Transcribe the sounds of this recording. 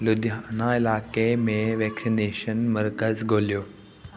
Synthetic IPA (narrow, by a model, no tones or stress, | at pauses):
lʊd̪aːnaɪlaːkemẽʋɛːksineːʃənmɐɾkəzɡʱoːlijoː